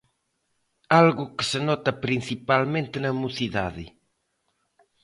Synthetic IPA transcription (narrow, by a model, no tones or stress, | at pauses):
alɣukə̥sənɔt̪ɐpɾinθipalmẽnt̪enɐmuθiða̰ðḭ